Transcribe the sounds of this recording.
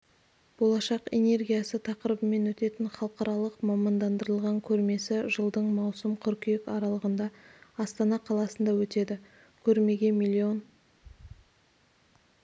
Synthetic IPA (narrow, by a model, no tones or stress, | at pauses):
b̥o̞lˠɑʃɑqe̞̰ne̞ɾɡʲijasət̪ʰɑqəɾəbəme̞nwɵt̪e̞t̪ɪnχɑlˠəqɑɾɑlˠəqmɑmɑnd̪ɑnd̪əɾəlˠʁɑŋkʲʰɵɾme̞sɪʒəlˠd̪əɴmɑwsəmqʰʏɾkʲjekɑɾɑlˠəʁənd̪ɑɑst̪ɑnɑqʰɑlˠɑsənd̪ɑwɵt̪e̞d̪ɪ | kʲʰɵɾme̞ɡʲe̞milʲːio̞n